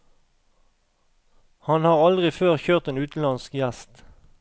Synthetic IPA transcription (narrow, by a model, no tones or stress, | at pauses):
hɑnhɑːʁɑld̪ʁɪføːʁçøːʁt̪eːnʉːt̪n̩lɑnskjæst̪